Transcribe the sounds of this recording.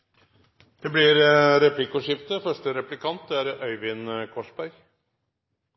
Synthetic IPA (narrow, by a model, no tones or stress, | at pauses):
d̪̥ɛblɪɾɾɛplɪkʊʂɪft̪əfœʂʈəɾɛplɪkʰɑnt̪æɾœʏʋɪnkʰɔʂbæɾɡ